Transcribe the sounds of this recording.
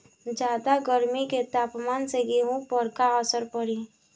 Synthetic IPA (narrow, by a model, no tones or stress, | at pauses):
d͡ʒaːd̪aɡəɾmiket̪aːpmaːnseɡeɦũpəɾkaəsəɾpəɽi